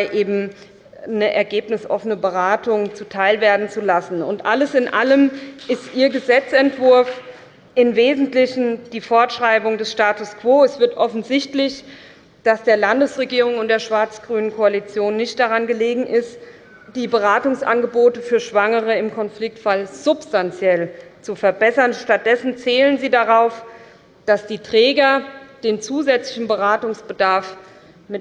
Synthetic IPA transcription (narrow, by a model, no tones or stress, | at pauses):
ɪʔeːbm̩ | nəʔɛɐɡeːpnɪsʔɔ̰fənəbəʁaːtʊŋt͡sutʰaɪlveːɐdn̩t͡sulasn̩ʊntʔaləsɪnʔaləmʔɪstʔiːɐɡəzɛt͡sɛntv̥ʊɐf | ʔɪnveːzn̩tlɪçn̩d̥iːfɔɐtʃʁ̥aɪbʊŋdɛsʃtaːtʊskv̥oːɛsv̥ɪɐtʔɔfn̩zɪçtlɪç | d̥asd̥eːɐlandəsʁeɡiːʁ̞ʊŋʊntd̥eːɐʃv̥aɐt͡sɡ̥ʁyːnənkʰoalit͡sjoːnːɪçt̚d̥aʁanɡəleːɡŋ̩ʔɪst | d̥iːbəʁaːtʊŋsʔa̰nɡəboːtəfyːɐʃv̥aŋəʁ̞əɪmkʰɔnflɪk̚tfalz̥ʊpstant͡sjɛlt͡sufɛɐbɛsɐnʃtat̚d̥ɛsn̩t͡seːlənziːdaʁaʊf | d̥asd̥iːtʁ̥ɛːɡɐd̥eːnt͡suːzɛt͡slɪçn̩bəʁaːtʊŋsb̥ədaɐf | mɪ